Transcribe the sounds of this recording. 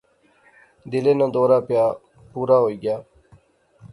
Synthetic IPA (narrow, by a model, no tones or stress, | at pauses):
d̪ɪlẽːnãːd̪ɔːɾaːpɪjaː | puːɾaːɦoːiːɡjaː